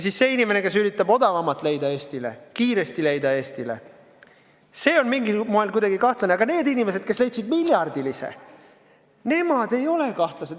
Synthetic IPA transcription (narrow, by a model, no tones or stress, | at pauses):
sisse̞inime̞ne̞ke̞syɾit̪ːˑɑbo̞d̪ɑvɑmɑt̪ˑle̞jd̪ɑe̞ːsʲt̪ile̞̰kiːɾe̞st̪ile̞jd̪ɑe̞ːst̪ile̞̰ | se̞ːo̞nmiŋɡimo̞ɦelkujd̪ɑɡikɑht̪lɑneɑɡ̥ɑne̞ːd̪inime̞se̞d̪̥̚ke̞sle̞jt̪sid̪milʲjɑrd̪̥ilisḛ | ne̞mɑd̪̥e̞jo̞le̞kɑht̪lɑse̞d̪